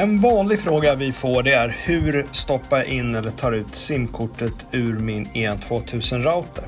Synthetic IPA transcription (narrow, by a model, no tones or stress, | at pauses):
ɛnvɑːnlɪɡfɾoːɡavɪfoːɖɛæɾhʉ̟ːɾst̪ɔpːajaʔɪnːɛlːəʈʰɑːɾʉ̟ːt̪sɪmkʰʊʈːət̪ʰʉ̟ːɾmɪneːnt̪ʰvoːt̪ʰʉ̟ːsənɾaʊt̪ʰəɾ